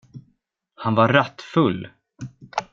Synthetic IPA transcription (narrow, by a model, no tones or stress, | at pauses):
hanvaɾɾat̪ːfɵlː